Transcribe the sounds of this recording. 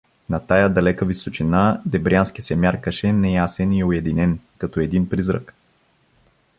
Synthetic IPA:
nɐt̪ajad̪ɐlɛkəvisot͡ʃinad̪ɛbɾʲjanskisɛmʲjaɾkəʃɛnɛjasɛniʊɛd̪inɛnkɐt̪ɔɛd̪inpɾizɾə̰k

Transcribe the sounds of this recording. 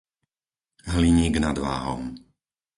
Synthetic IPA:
ɦliɲiːɡnad̪ʋa̰ːɦɔ̰m

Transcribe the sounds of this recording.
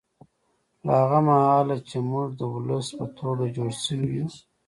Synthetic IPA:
laaɣamahɑlat͡ʃemuʐd̪əwʊləspət̪ʰoɡad͡ʒoɽsəwwi

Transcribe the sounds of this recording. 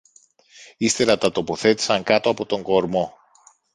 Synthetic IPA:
ist̪e̞ɾɐt̪ɐt̪o̞po̞θe̞t̪i̥sɐŋkɐt̪o̞ɐpot̪o̞ŋɡo̞ɾmo̞

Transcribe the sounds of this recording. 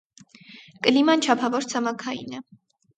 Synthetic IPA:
kʼəlimɑnt͡ʃʰɑpʰɑvɔɾt͡sʰɑmɑkʰɑḭnɛ

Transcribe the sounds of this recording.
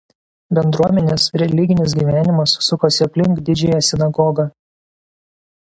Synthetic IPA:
bʲɛnd̪ɾuɔmʲɛnʲeːsɾʲɛlʲɪɡʲɪnʲɪs̬ɡʲiːʋʲæːnʲɪmɐssʊkoːsʲɪɐpʲlʲɪŋkd̪ʲɪd͡ʒʲɛːjɛsʲɪnɐɡɔɡɑː

